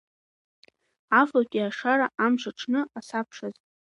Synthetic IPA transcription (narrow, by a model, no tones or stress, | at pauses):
afakʲʼiaʂaɾaʔamʃʷaʈ͡ʂʰnɨasapʰʂaz